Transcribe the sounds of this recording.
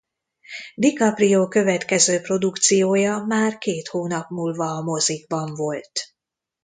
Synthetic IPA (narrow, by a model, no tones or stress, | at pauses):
d̪ikɒprijoːkø̞vɛt̪kɛzøːpro̞d̪ukt̪sijoːjɒmaːrkeːt̪hoːnɒpmuːlvɒːmo̞ziɡ̚bɒɱvo̞lt̪